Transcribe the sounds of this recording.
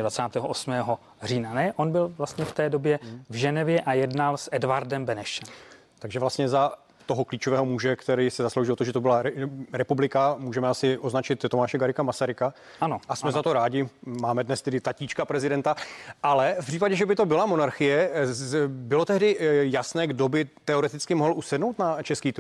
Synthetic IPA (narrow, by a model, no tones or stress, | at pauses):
dvat͡saːt̪ɛːɦoʔosmɛːɦo | riːnanɛʔonbɪlvlast̪ɲɛft̪ɛːdo̞bjɛvʒɛnɛvjɛʔajɛdnalsʔɛdvaɾdɛmbɛnɛʃɛm | t̪aɡʒɛvlast̪ɲɛza | t̪oɦokliːt͡ʃovɛːɦomuʒɛkt̪ɛɾiːsɛzaslowʒɪlot̪oʒɛt̪obɪlaɾɾɛpublɪkamuːʒɛmɛasɪʔo̞znat͡ʃɪt̪ːomaːʃɛɡaɾɪkamasaɾɪka | anoʔasmɛzat̪o̞ɾaːɟɪmaːmɛdnɛst̪ɛdɪt̪aciːt͡ʃkapɾɛzɪdɛnt̪aʔalɛfpr̥iːpaɟɛʒɛbɪt̪o̞bɪlamo̞naɾxɪjɛ | bɪlo̞t̪ɛɦdɪjasnɛːɡdo̞bɪt̪ɛoɾɛt̪ɪt͡skɪmoɦlʔusɛdno̞wt̪nat͡ʃɛskiːt̪